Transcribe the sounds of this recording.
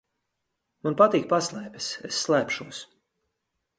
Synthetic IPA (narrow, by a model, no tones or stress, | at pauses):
manpat̪iːk̚paslˠɛːpʲɛsesːlˠæːpʃuɔs